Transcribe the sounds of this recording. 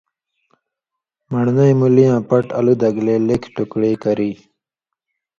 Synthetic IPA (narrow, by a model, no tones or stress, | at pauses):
məɽnəjmulijãːpɐʈalud̪aɡleːlekʰʈukɽeːkəɾi